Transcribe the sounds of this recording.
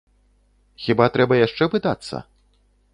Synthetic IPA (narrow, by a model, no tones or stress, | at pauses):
xʲibat̪ɾɛbɐjaʂt͡ʂɛvɨd̪a̰t̪sːɐ̰